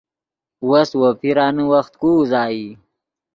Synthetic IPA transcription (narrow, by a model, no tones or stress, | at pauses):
waswopʰiɾɑːnəwaxt̪̚kuzɑːji